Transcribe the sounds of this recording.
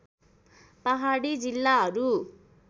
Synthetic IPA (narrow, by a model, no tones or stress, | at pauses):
pʌɦaɽid͡zilːaɦʌɾu